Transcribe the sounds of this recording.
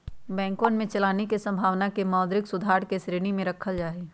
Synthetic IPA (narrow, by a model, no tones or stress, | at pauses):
bɛ̃ːŋkõnmẽt͡ʃɐlaːnekesɐ̃mbʱaːʋnakemaːd̪ɾɪksʊd̪ʱaːɾkesɾeːɽ̃imẽɾɐkʰəld͡ʒaːeː